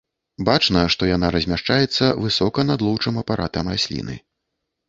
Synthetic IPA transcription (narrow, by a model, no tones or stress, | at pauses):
bat͡ʂnɐʂt̪ɔjanaɾɐzʲmʲaʂt͡ʂajɛt̪sːɐvɨsɔkɐnad̪lˠɔwt͡ʂɨmɐpaɾʔat̪ɐmrasʲlʲḭnɨ̰